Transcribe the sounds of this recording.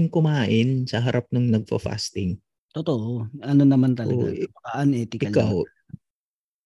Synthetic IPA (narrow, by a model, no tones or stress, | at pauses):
ɪŋkʊmaːʔɪnsɐɦɐɾʔap̚nʊŋnɐɡ̚fɐ̰fa̰st̪ɪŋ | t̪ot̪oʔoʔɐnonɐmant̪ɐlɐ̰ɡapɐkɐʔanʔɛt̪ɪkʔɪɐlkaw